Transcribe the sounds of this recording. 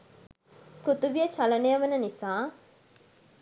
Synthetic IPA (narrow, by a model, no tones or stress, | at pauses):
kɾut̪uʋijət͡ʃɐlɐnejəʋənənisaː